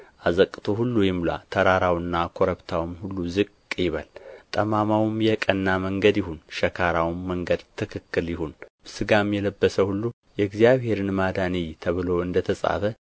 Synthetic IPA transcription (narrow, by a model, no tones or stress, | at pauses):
ʔazəkʼːɨt̪ʰoɦulːujɪmla̰t̪ʰəɾaɾawɨnːakʰoɾəβt̪ʰawmhulːuzɨkʼkʼjɪβa̰lt̪ʼəmamawmjɛkʼənːaməŋɡəd̪jɪhunʃɛkʰaɾawmːəŋɡəd̪t̪ʰɨkʰɨkːɨljɪhun | sɨɡamjɛləbːəsəhulːu | jɛɡzijaβhe̞ɾɨnmad̪anijt̪ʰəβɨlo̞ɨnd̪ət̪ʰəsʼa̰fə